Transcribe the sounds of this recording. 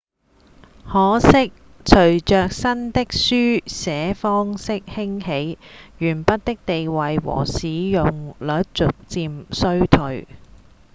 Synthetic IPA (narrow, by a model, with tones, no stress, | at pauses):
hɔː˨˥sɪ˥k̚ | t͡ʃʰɵ˨˩ɥt͡ʃœː˨k̚sɐ˥nt̪ɪ˥k̚syː˥sɛː˨˦fɔː˥ŋsɪ˥k̚hɪ˥ŋhe˨˥jjyː˨˩npɐ˥t̚t̪ɪ˥k̚t̪e˨jwɐ˨jwɔ̰ː˨˩siː˨˥jʊ˨ŋlœː˨˥t̚t͡sʊ˨k̚t͡siː˨˧msɵ˥ɥt̪ʰɵ˨ɥ